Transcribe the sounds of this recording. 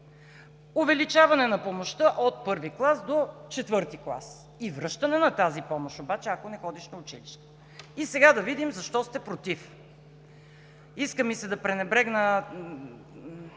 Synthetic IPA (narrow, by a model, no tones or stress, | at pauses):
ʊvɛlit͡ʃavɐnɛnɐpomoʃt̪əʔot̪̚pɤɾviklˠasd̪ot͡ʃɛt̪vɤɾt̪iklˠa̰s | ivɾɤʃt̪ənɛnɐt̪azipɔmoʃobat͡ʃɛɐkonɛxɔd̪iʃnɐʊt͡ʃiliʃt̪ə | isɛɡad̪ɐvid̪imzɐʃt̪ɔst̪ɛpɾot̪if | iskəmisɛd̪ɐpɾɛnɛbɾɛɡnə